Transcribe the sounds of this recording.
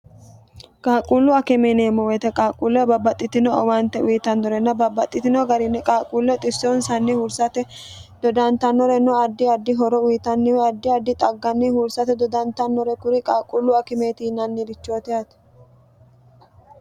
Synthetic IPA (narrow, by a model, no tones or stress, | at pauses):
kʼaːkʼulːʊɐkɪmeneːmːɔwɛt̪ɛkʼaːkʼulːɔbɐbːɐt̪ʼːɪt̪ɪnɔɐwɐnt̪ːɛwiːt̪ɐnːɔɾɛnːɐbɐbːɐt̪ʼːɪt̪ɪnɔɡɐɾɪnːɛkʼaːkʼuːlːɛt̪ʼɪsːonsɐnːɪhʊɾsɐt̪ɛd̪̥ɔd̪ɐnt̪ɐnːɔɾɛnɔɐd̪ːɪɐd̪ːɪɦɔɾɔwijt̪ɐnːɪwɛɐd̪ːɪɐd̪ːɪt̪ʼɐɡːɐnːɪhʊɾsɐt̪ɛd̪ɔd̪ɐnt̪ɐnːɔɾɛkʊɾɪkʼaːkʼːulːʊɐkɪmeːt̪iːnɐnːɪɾɪt͡ʃːoːt̪ɪɐt̪ɛ̥